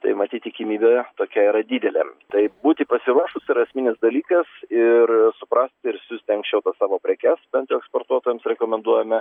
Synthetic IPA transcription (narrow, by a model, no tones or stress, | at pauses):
t̪ɐ̰ɪmɐt̪ʲiːt̪ʲt̪ʲɪkʲɪmʲiːbʲɛt̪oːkʲɛiːɾɐd̪ʲiːd̪ʲɛlʲɛ̰t̪ɐɪbuːt̪ʲɪpɐsʲɪɾuɔʃʊsɪɾɐsʲmʲɪnʲɪsd̪ɐlʲiːkɐsɪɾsʊpɾɐsʲt̪ʲɪɾsʲʊsʲt̪ʲɪɐŋksʲʃʲt͡ʃʲɛʊt̪ɐsɑːʋoːpʲɾʲɛkʲɛsbʲɛnt̪joʊɛkspoːɾt̪uɔt̪oːjɛmsɾʲɛkoːmʲɛnd̪uɔjɛmʲɛ